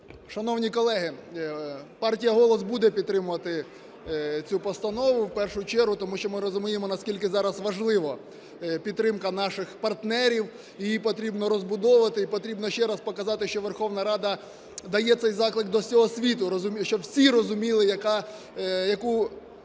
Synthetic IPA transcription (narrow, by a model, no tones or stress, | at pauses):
ʃɐnɔwnʲikɔlˠɛɦɪ | pɑrtʲijɐɦɔlˠɔsbud̪ɛpʲid̪t̪ːɾɪmʊʋɐt̪ɪ | t͡sʲupɔst̪ɐnɔʋʊwpɛrʃʊt͡ʃɛɾɦʊt̪ɔmuʃt͡ʃɔmɪɾɔzʊmʲijemɔnɐskʲilʲkɪzɑɾɐsʋɐʒlˠɪʋɔ | pʲid̪ːɾɪmkɐnɑʃɪxpɐrt̪nɛɾʲiw | ijipɔt̪ɾʲibnɔɾɔzbʊd̪ɔʋɐt̪ɪipɔt̪ɾʲibnɔʃt͡ʃɛɾɐspɔkɐzɑt̪ɪʃt͡ʃɔʋerxɔwnɐɾɑd̪ɐ | d̪ɐjɛt̪sɛjzɑklˠɪk̚d̪ɔsʲɔɦɔsʲʋʲit̪ʊɾɔzʊmʲʃt͡ʃɔwsʲiɾɔzʊmʲilˠɪjɐkɑ | jɐku